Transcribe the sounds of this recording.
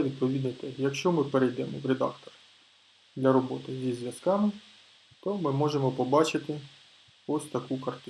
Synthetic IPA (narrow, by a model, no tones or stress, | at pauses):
ʋʲid̪̚pɔʋʲid̪nɐjt̪ɛɦjɐkʃt͡ʃɔmɪpeɾejd̪ɛmɔʋɾʲed̪ɑ̰kt̪ɔr | d̪lʲɐɾɔbɔt̪ɪzʲizʲʋʲjɐskɑmɪ | t̪ɔmɪmɔʒemɔpɔbɑt͡ʃɪt̪ɪ | ɔsʲt̪ɐkukɐrt̪ɪ